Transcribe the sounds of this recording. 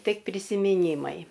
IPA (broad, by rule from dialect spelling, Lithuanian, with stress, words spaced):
tʲɪk pʲrʲɪsʲɪmʲɪˈnʲiːmɐɪ